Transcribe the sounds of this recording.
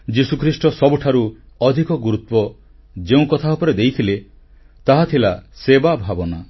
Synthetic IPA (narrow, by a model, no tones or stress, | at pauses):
d͡ʒisukʰɾisʈɔsɔbuʈʰaɾu | ɔd̪ʱikɔɡuɾut̪wɔ | d͡ʒeũkɔt̪ʰaupɔɾed̪ejt̪ʰile | t̪aɦat̪ʰilasebabʱabɔna